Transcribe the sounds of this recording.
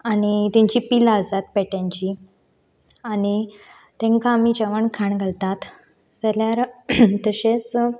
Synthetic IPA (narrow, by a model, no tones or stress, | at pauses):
aɽ̃it̪ãɲt͡ɕipilaəsat̪̚pɛʈjãɲt͡ɕi | ani | t̪ẽŋkamid͡ʑəʋəɳkʰaɳɡʱəlt̪at̪ | d͡zəljaɾt̪əɕes